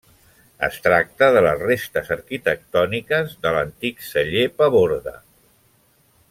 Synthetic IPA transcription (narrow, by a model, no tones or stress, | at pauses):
ə̰st̪ɾak̚t̪əðələsrest̪əzəɾkit̪ək̚t̪ɔnikəzðələnt̪iksəʎepəβoɾðə̰